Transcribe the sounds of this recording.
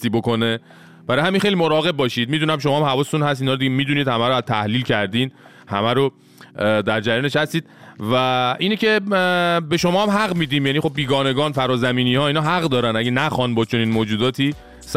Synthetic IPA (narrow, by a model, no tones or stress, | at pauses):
t̪iːbokone | b̥æɾɒjhæminxejlimoɾɒːɣe̞b̚bɒːʃid̪̚miːd̪unæmʃ̬o̞mɒhæmhævɒːset̪unhæst̪inɒːɾod̪iɟemiːd̪uniːd̪hæmæɾoæzt̪ʰæhliːlcʰæɾd̪iːn | hæ̰mæɾo | d̪æɾd͡ʒæɾjɒneʃhæst̪iːd̪̥̚væʔiːnece̞ | be̞ʃo̞mɒːhæmɦæɣmiːd̪iːmjæniːxo̞bːiːɡɒːne̞ɡɒːnfæɾɒːzæmiːniːhɒːinɒɦæɣd̪ɒːɾænæɟenæxɒːnbɒːt͡ʃʰo̞niːnmoːd͡ʒuːd̪ɒːt̪ʰiː | s